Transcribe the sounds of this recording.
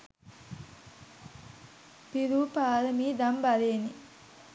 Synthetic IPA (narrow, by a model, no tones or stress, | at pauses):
piɾuːpaːɾəmiːd̪ambaleːni